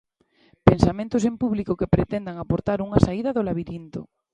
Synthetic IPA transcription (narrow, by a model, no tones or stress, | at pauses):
pensamẽnt̪os̬empuβlikokepɾet̪ɛnd̪aŋapoɾt̪aɾuŋasaið̞ɐðolaβiɾint̪o̰